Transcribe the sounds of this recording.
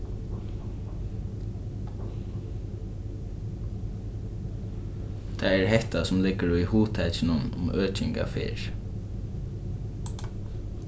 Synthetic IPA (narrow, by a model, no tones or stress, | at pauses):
t̪ʰaɛɹɦɛht̪asʊmlɪɡəɹʊjhuːt̪ʰɛt͡ʃɪnʊnʊ̰møːt͡ʃɪŋka̰fḛːɹ